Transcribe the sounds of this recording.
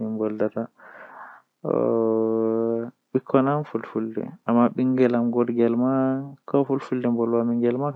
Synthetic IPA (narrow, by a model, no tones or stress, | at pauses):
imbɔldata | ɔ | ɓikʰːɔnamfulfuldɛ̰amːaɓiŋɡɛlamɡɔɾɡɛlmakɔfulfuldɛmbɔlwamiŋɡɛlma